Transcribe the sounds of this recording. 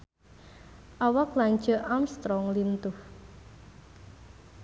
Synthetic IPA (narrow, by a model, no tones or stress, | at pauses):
ʔawɔklaŋ̥ʒ̥ə̤ʔamst̪ɾɔŋlint̪ʊh